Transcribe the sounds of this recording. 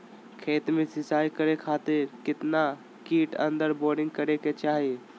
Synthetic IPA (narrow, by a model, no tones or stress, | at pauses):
kʰeːt̪mẽsɪsaːikəɾekʰaːt̪ɪɾkɪt̪na | kiːʈə̰̃nd̪əɾboːɾɖɪ̃ŋɡ̚kəɾeket͡ʃaːɦi